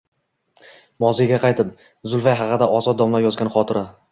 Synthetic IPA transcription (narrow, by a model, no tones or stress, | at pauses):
mɒzɪjɡʲaqʰɑjt̪ʰɪp̚ | zʊlˠfajɦɑqɨd̪aʔɒzɒt̪d̪ɒmlaɾjɒzɡʲanχɒt̪ʰɪɾa